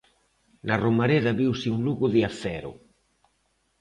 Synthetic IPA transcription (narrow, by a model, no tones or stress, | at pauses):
naromaɾeðɐβiwsiunluɣuðiaθɛɾʊ̰